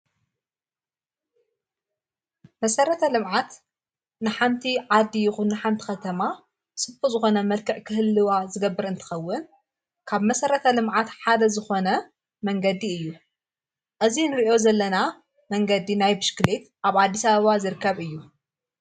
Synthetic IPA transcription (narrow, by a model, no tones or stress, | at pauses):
mɐsɐɾɐt̪ʰɐlɨmʕat̪ | nɨħamt̪ʰiʕad̪ːijɪxunːɨħamt̪ʰi̥xɐt̪ʰɐma | sɨbuzɨxo̞nɐmɐlkʰɐʔkʰɨhɨlːɨwazɨɡɐbːɨɾɨnt̪ʰɐ̥xɐwːʊn | kʰaβmɐsɐɾɐt̪ʰɐlɨmʕat̪ħad̪ɐzɨxo̞nɐ | mɐŋɡɐd̪iɨjːu | ʔɨzinɨɾiʔo̞zɐlːɐna | mɐŋɡɐd̪inajbɨʃkɨlet̪ʔaβʕad̪ːisɐβɐβazɨɾɨkːɐβɨjːu